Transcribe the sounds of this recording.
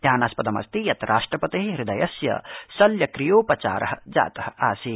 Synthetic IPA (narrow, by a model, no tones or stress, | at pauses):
d̪ʱjaːnaːspɐd̪ɐmɐ̰st̪ijɐt̪ɾʔaːʂʈɾɐpɐt̪eːɦɾid̪ɐjɐsjɐ̰sɐljɐkɾijoːpɐt͡ʃa̰ːɾɐɦɐd͡ʒa̰ːt̪ɐhɐ̆aːsi